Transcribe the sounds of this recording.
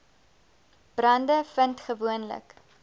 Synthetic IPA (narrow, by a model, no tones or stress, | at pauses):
b̥rɐndəfəntχəvuənlə̰k